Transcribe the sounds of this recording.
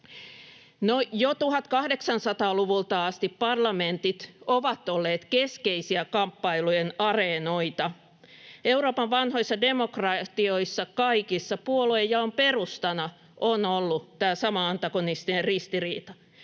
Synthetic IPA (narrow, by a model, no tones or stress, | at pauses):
nojot̪uhɑt̪kɑhdeksɑnsɑt̪ɑːluʋult̪ɑɑst̪ippɑrlɑment̪it̪oʋɑt̪olːeːt̪keskeisiækɑmpːɑilujenɑrenoit̪ɑ | euroːpɑʋʋɑnhoisːɑdemokrɑt̪ioisːɑkɑikisːɑpuolojjɑomperust̪ɑnɑ | ʔonolːut̪æːsɑmɑɑnt̪ɑkonist̪inerrist̪iriːt̪ɑ